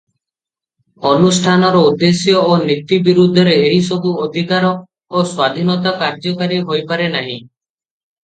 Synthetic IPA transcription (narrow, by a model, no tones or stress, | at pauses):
ɔnusʈʰanɔɾɔud̪ːesjɔonit̪ibiɾud̪ʱːɔɾeeɦisɔbuɔd̪ʱikaɾɔ | oswad̪ʱinɔt̪akaɾd͡ʒɔkaɾiɦojpaɾenaɦḭ̃